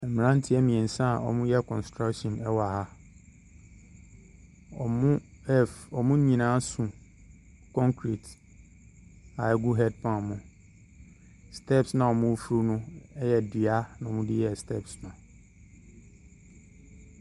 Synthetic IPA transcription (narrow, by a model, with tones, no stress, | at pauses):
ɛ˨m˨ɾã˦n̩˦tʰɪ˦ɛ˦mĩ˨ɛ̃˨n̩˨sã˦a˨ʔɔ̰˨mʊ̃˦jɛ˦˨kʰɔ̃˨nstɾa˦kʃɔ̃˨nɛ˦wɔ˨a˨ha˦ | ɔ˨mʊ̃˦ɛ˦˨fɔ˨mʊ̃˦ɲĩ˨nãː˦sũ˨ | kʰɔ̃˦ŋkʰɾi˨t | a˨ɛ˦ɡu˦ɦɛ˦d̚pʰã˨mʊ̃˨ | stʰɛ˦psnã˨ɔ˨mʊ̃˦fu˨˦ɾu˦nʊ̃˦ɛ˦jɛ˨di˨a˦nã˨ɔ˨mʊ̃˦dɪ˦jɛ˦˨stʰɛ˦˨psnʊ̃˨